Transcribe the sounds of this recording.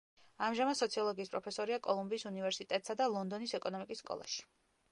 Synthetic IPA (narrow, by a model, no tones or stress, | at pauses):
amʒamad̪sɔt̪sʰiɔlˠɔɡiːspʼɾɔpʰɛsɔɾiakʼɔlˠumbiːsunivɛɾsit̪ʼɛt̪ʼsad̪alˠɔnd̪ɔnisɛkʼɔnɔmikʼisːkʼɔ̰lˠa̰ʃi̥